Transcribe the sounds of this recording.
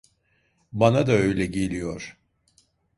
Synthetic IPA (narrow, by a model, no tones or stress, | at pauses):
banad̪aø̞jlʲɛɟe̞lʲijo̞ɾ̥